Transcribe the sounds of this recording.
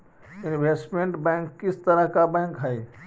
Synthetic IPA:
inbʱesʈmẽɳʈbɛ̃ŋkːɪst̪əɾəɦkabɛ̃ŋkɦəi

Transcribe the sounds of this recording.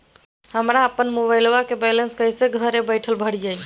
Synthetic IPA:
həmɾaəpːənmoβajlowakebɛlənskəjseɡʱəɾebəjʈʰəlbʱəɽd͡ʒaj

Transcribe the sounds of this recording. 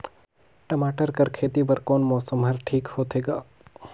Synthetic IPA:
ʈɐmaːʈəɾkɐɾkʰeːt̪ipɐɾkoːnmɔːsəmɦɐɾʈʰiːkhoːt̪ɦeːɡaː

